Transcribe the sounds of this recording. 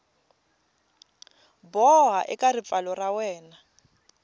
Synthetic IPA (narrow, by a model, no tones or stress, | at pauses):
bɔɦaʔɛkʼarip̪falɔrawɛːna